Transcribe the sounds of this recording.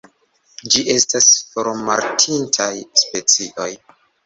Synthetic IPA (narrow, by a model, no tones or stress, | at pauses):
d͡ʒiʔe̞stasfoɾma̰ɾtʰintʰajspe̞t͡siʔo̞j